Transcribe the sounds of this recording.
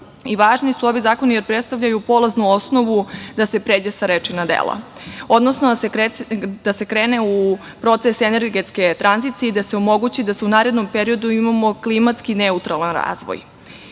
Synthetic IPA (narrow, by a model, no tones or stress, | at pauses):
iʋaːʒnisuo̞ʋizaːko̞nijeɾpɾet̪st̪avʎajupo̞laznuo̞sno̞ʋud̪asepɾeːd͡ʑesaɾet͡ʃinad̪ḛːlˠa̰o̞d̪nosno | d̪̥ase̞kɾeːneu | pɾo̞t̪sesene̞ɾɡet̪ske̞t̪ɾʔanzit̪sijeid̪ase̞omo̞ɡut͡ɕid̪aseunaːɾed̪no̞mpe̞ɾio̞d̪uimamo̞klimat̪skineut̪ɾalanɾa̰ːzʋo̰j